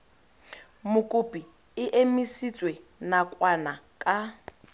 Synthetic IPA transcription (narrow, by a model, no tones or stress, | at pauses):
mʊkʼʊpʼi | ɪʔemisit͡sʼwenakʼwana | kʼa